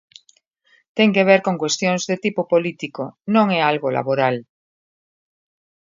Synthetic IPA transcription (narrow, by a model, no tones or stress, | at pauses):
t̪eŋkeβ̞eɾkoŋkwest̪joŋzðet̪ipopolit̪ikonõŋɛalɣola̰βoɾal